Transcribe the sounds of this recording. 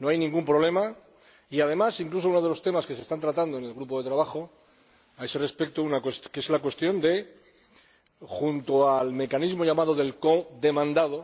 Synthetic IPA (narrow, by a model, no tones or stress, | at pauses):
no̞ajnĩŋɡumpɾo̞β̞le̞ma | iað̞e̞masiŋklusounoðe̞lo̞st̪e̞maske̞se̞st̪ant̪ɾat̪and̪oe̞ne̞lɣɾupo̞ðe̞t̪ɾaβaxo̞ | aesere̞spe̞k̚t̪ounakweskezlak̬we̞st̪jo̞nd̪e̞ | xunt̪oalme̞kanizmo̞ʝamaðo̞ðe̞lko̞ðe̞mãnd̪aðo